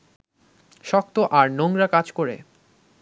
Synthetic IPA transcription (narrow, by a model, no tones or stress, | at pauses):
ʃɔk̚t̪oʔaɾnoŋɾakad͡ʑkoɾḛ